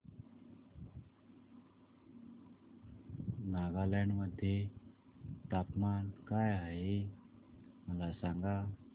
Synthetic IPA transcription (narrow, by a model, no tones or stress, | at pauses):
naɡalɛɳɖməd̪ʱːje | t̪apmankajaɦe | məlasaŋɡa